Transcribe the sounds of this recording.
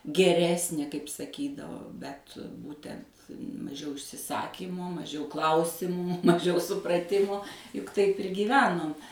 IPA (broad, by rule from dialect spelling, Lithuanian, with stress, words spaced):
ɡʲɛˈrʲæːsʲnʲeː kɐɪp sɐˈkʲiːdɐʋoː ˈbʲɛt ˈbuːtʲɛnt mɐˈʒʲɛʊ ɪʃʲsʲɪˈsɑːkʲiːmoː mɐˈʒʲɛʊ ˈklˠɐʊsʲɪmuː mɐˈʒʲɛʊ sʊprɐˈtʲɪmoː jʊk ˈtɐɪp ɪr ɡʲiːˈʋʲæːnoːm